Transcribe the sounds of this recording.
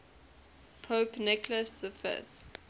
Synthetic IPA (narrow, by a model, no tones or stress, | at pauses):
pʰoːpnɪkləsðəfɪ̰θ